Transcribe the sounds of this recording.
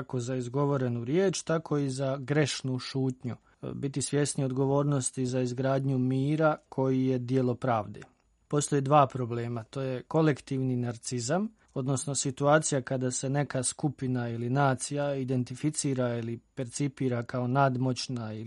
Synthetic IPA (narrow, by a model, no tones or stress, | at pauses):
ako̞zaizɡo̞ʋo̞ɾe̞nuɾjeːt͡ʃt̪akʰo̞izaɡɾe̞ʃnuʃuːt̪ɲu | bit̪isʋje̞snio̞d̪ɡo̞ʋo̞ːɾnost̪izaizɡɾaːd̪ɲumiːɾakʰo̞jije̞d̪jelˠo̞pɾaːʋd̪ḛ | po̞st̪o̞jed̪ʋaːpɾo̞ble̞ːmat̪o̞ːje̞ko̞lekt̪iːʋninaɾt̪sizam | o̞d̪no̞sno̞sit̪uaːt̪sijakad̪ase̞ne̞kaskupinailinaːt̪sijaid̪e̞nt̪ifit̪siːɾailipe̞ɾt̪sipiːɾakao̞nad̪mo̞t͡ɕnai